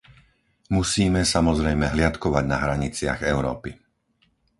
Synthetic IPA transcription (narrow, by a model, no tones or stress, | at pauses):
musiːmɛsamɔzɾɛjmɛɦlɪat̪kɔʋaɟnaɦɾaɲit͡sɪa̰ɣɛʊɾɔ̰ːpi